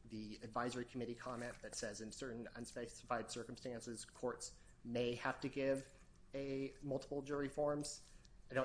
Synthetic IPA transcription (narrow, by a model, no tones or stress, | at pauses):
ðiɨdvaɪzə˞ikʰəmɪɾikʰɑmɛ̃nðɨtsɛzɨ̃nsɜ˞ʔn̩ʌ̰̃nspeɪsə̥faɪd̥sɜ˞km̩stæ̃nsɨz̥kʰɔɹts | meɪhæftɨɡɪv | ɨmʌlˠtʰə̥pl̩ˠd͡ʒʊɹifɔɹmz̥ɪdõ